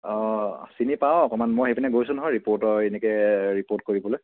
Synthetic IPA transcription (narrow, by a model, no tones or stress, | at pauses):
ɔsinipaw̃ɔkɔmanmɔjxepʰinɛɡojsunɔɦɔjɹipoɹtɔenikɛɹipot̚koɹibɔloj